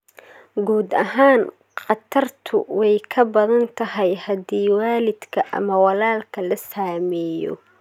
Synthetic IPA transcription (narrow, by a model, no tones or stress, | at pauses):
ɡuːd̪ɐɦaːn | qɑt̪ʰɐrt̪ʰʊ̰wɛjkʰɐbɐðɐnt̪ʰɐɦɐjhɐd̪iːwaːlɪd̪kʰɐʔɐ̰mɐwɑlaːlkʰɐlɐsaːmɛːjɔ̰